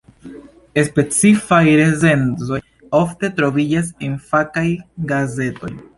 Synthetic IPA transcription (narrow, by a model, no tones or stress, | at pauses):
e̞spe̞t͡sifajɾe̞ze̞nzo̞j | o̞fte̞tɾo̞vid͡ʒas̬enfakajɡaze̞to̞̰j